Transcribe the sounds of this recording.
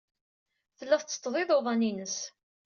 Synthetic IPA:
θəlːæθt͡sːə̥t̪ːðˤɪðˤoðˤɑninəs

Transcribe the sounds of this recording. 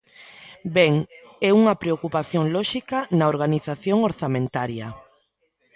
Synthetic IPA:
bɛŋ | ɛuŋɐpɾeokupaθjoŋlɔʃikɐnɐoɾɣaniθaθjoŋoɾθamẽnt̪aɾjɐ

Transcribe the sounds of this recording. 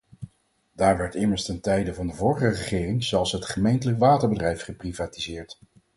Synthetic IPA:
d̥aːɹʋɛɹtɪməɹstɛntɛjdəvɑndəvʊːɹχərəχɪːrɪŋzɛlˠsɦətχəmejntələkʋaːtəɹbədrɛjfχəprivaːtizɪːɹt

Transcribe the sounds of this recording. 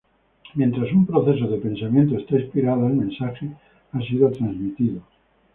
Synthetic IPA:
mjent̪ɾasumpɾoθe̞s̬oðepẽ̞nsamjent̪̬oest̪aispiɾaðoalmẽnsaxe | asiðot̪ɾanzmit̪iðo

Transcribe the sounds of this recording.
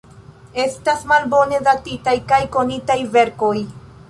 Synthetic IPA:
e̞stasmalbo̞ne̞zatitajkajko̞nitajve̞ɾko̞j

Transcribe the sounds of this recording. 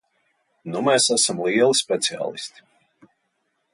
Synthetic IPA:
numɛːsæsamlˠiɛlˠispʲɛt̪sia̰ːlˠḭst̪i̥

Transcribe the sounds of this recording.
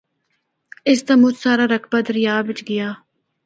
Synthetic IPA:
ɪst̪amʊt͡ʃsaːɾaːɾəkʰbaːd̪əɾɪjaːʋɪt͡ʃɡɪjaː

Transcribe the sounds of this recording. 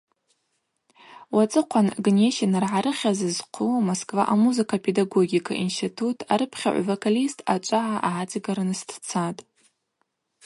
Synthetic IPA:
wat͡sʼɨqʷʰanɡne̞ʃenɨrʕaɾɨχʲazɨzqʷʰʊmoskʼvaʔamuzɨkʰapʰedaɡo̞ɡʲikʰa̰ʔinstitʰutʰaɾɨpʰχʲa̰ʕ̰ʷvokʰalistʰat͡ʃʷʼaʕaʔaʕat͡sʼiɡaɾanstʰt͡sʰatʼ

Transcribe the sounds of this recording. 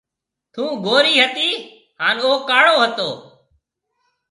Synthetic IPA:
t̪ʰũːɡoːɾiːɦət̪iː | haːnoːkaːɽoːɦət̪oː

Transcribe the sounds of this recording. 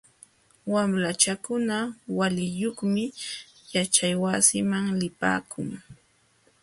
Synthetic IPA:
wamɾat͡ʃakʊnawalɪjoχmɪ | jat͡ʃajwasɪmaŋlɪpa̰ːkʰʊŋ

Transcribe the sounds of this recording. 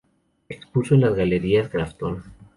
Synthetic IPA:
ekspusoenlazɣale̞ɾiaskɾaft̪on

